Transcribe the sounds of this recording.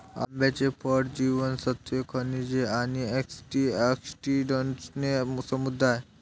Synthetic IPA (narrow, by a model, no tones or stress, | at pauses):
a̰mbjat͡ɕepʰɔʈd͡ʑiʋənsət̪ekʰənid͡ʑeanieksʈieksʈiɖənʈsnesəmud̪ʱːaj